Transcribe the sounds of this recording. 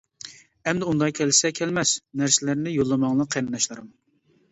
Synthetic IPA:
ɛmd̪ɛund̪ɑkʲʰɛlɪsɛkʲʰɛlmɛsnæɾsɪlæɾnɪjolˠːɨmɑŋlˠɑqʰend̪ɑʃlˠɨɾɨm

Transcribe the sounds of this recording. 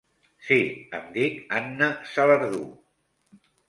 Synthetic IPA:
siə̰md̪ikanːəsələɾðṵ

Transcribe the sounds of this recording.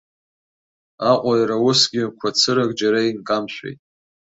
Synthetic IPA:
aqʷʼajɾawʊsɡʲɪkʷʰat͡sʰɨɾaɡd͡ʒaɾainkʼamʃʷᶣḛjtʼ

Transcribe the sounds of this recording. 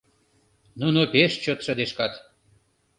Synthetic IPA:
nunopeʃt͡ɕot̪ʃə̆d̪eʃkɑt̪

